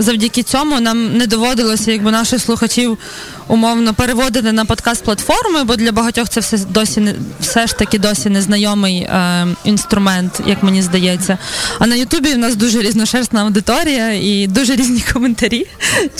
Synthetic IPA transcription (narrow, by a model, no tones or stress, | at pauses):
zɐwdʲikʲɪt͡sʲɔmʊnɑmnɛd̪ɔʋɔd̪ɪlˠɔsʲɐjɐɡ̚bɪnɑʃɪxslˠʊxɐt͡ʃʲiw | ʊmɔwnɔpeɾeʋɔd̪ɪt̪ɪnɐpɔt̪kɑst̪̚plˠɐt̪fɔrmɪbɔd̪lʲɐbɐɦɐtʲɔxt̪sɛwsɛd̪ɔsʲinwsɛʃt̪ɐkʲɪd̪ɔsʲinɛznɐjɔmɪjḭn̪st̪ɾʊmɛnt̪jʔɐkmenʲizd̪ɐjɛt͡sʲːɐɐnɐjʊt̪ubʲiwnɑs̬d̪uʒɛɾʲiznɔʃɛrst̪nɐɐwd̪ɪt̪ɔɾʲijɐid̪uʒɛɾʲizʲnʲikɔment̪ɐɾʲi